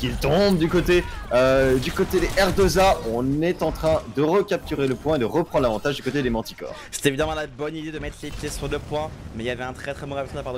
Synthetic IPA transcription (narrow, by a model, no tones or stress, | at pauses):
kilt̪ɔ̃bd̪ykot̪eød̪ykot̪ed̪eʔɛʁd̪ozaɔ̃nɛt̪ɑ̃t̪χɛ̃d̪əʁəkʲap̚t̪yʁeləpwɛ̃ed̪əʁəpχɑ̃nd̪lavɑ̃t̪aʒd̪ykot̪ed̪emɑ̃t̪i̥kɔ̰ːʁse̥t̪evid̪amɑ̃labɔnid̪ed̪əmɛt̪χlepjesyʁd̪əpwɛ̃mɛiljavɛɛ̃t̪χɛt̪χɛbɔ̃ʁapsɔ̃apaʁd̪